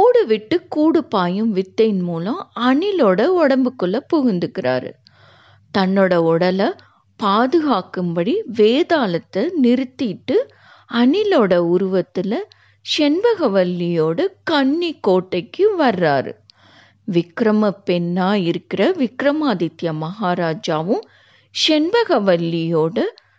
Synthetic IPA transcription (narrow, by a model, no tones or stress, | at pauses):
oːɽɯʋɪʈːɯkːuːɽɯpːaːjɯmʋɪt̪ːɐjnmuːlɐ̃ɐnɪloːɽɐɔɽɐmbɯkːɯɭːɐpɔɣɪnd̪ɯkːɪra̰ːɾɯ̰ | t̪ɐnːoːɽɐɔɽɐlɐ | paːðɯɣaːkɯmbɐɽiʋeːðaːlɐt̪ːɐnɪɾɯt̪ːɪʈːɯ | ɐnɪloːɽɐʊɾʊʋɐt̪ːɪlɐ | ʃɛnbɐɣɐʋɐlːɪjoːɽɯkɐɳːikːoːʈːɐɪkːɯʋɐrːaːɾɯ̰ | ʋɪkɾɐmɐpːɛnːaːɪɾɯkːɪrɐʋɪkɾɐmaːd̪ɪt̪jɐmɐɦaːɾaːd͡ʒaːʋɯm | ʂɛnbɐɣɐʋɐlːɪjoːɽɐ